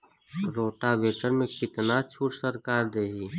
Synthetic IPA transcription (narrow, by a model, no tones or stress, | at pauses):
ɾoːʈaʋeːʈəɾmẽkɪt̪nat͡ʃʰuːʈsəɾkaːɾd̪eːɦiː